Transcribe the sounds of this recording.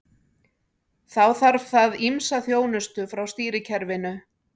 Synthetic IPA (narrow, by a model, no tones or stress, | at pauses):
θawθaɾv̥θaðimsaθjoːwnʏst̪ʏfɾawst̪iːɾɪcʰɛɾvɪnʏ